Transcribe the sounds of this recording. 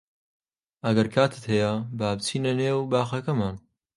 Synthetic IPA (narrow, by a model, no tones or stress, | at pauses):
ɐɡɐɾkʰaːt̪ʰɨ̥t̪hejɐbaːbt͡sʰiːnɐneːwbaːxɐkɐmaːn